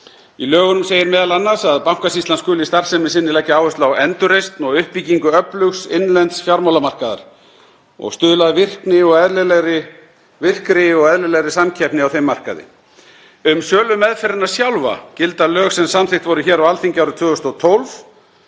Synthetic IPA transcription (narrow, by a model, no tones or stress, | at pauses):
ilœːɣʏnʏmseːjɪɾmɛːðalanːasaðpawŋ̥kasist̪anskʏːlɪst̪ar̥sɛmɪsɪnːɪlɛhcːɪaːwvœst̪lawɛnt̪ʏɾejst̪nɔɣʏhpːiciŋkʏœplʏxsɪnlɛnt̪sfjaɾmawlamar̥kaða̰ɾ̥ | ɔ̰ɣst̪ʏːðlaðvɪr̥knɪɔɣɛðlɛlɛɣɾɪ | vɪr̥kɾɪɔɣɛðlɛlɛɣɾɪsamcʰɛhpnɪawθejmːar̥ka̰ðɪ̰ | ʏmsœːlʏmːɛðfɛɾɪnasjawlva̰cɪlt̪alœːxsɛmsamθɪxt̪vɔɾʏçɛːɾawalθiɲcɪawɾʏt̪ʰvʏːʏst̪ɔt̪ʰowlv